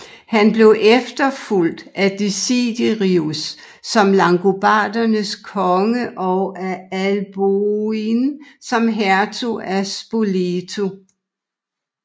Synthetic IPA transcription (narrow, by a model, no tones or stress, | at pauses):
hænb̥le̝ʊʔefd̥ɐful̰d̥æd̥isid̥iʁiusː | ɒ̽mlɑ̈ŋɡ̥ub̥ɑ̰̈ːd̥ɐnəskʰɒ̽ŋəʔɒæælb̥oinsɒ̽mɦæɐt͡sʰoæsb̥olet͡sʰo